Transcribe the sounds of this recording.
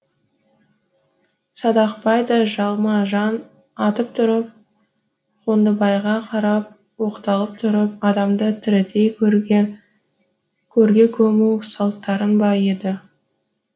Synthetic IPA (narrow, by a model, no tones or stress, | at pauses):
sɑd̪ɑqpɑjd̪ɑʒɑlˠmɑʒɑn | ɑt̪əp̚t̪ʰʊɾəp̚ | qʰond̪əbɑjʁɑqʰɑɾɑp̚ | wo̞qt̪ɑlˠəp̚t̪ʰʊɾəp̚ɑd̪ɑmd̪ət̪ʰɪɾɪt̪ej | kʲʰɵɾɡʲe̞kʲʰɵmuwsɑlˠt̪ːɑɾənbɑe̞d̪ɪ